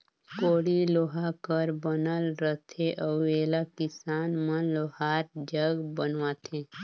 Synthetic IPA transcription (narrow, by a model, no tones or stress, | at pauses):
koːɽiloːɦakəɾbənəlɾət̪ʰeʔəeːlakɪsaːnmənloɦaːɾd͡ʒəɡbənʋaːt̪ʰẽː